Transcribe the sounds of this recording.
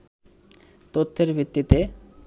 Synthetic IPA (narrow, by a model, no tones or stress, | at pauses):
t̪ot̪ʰːeɾbʱit̪ːit̪e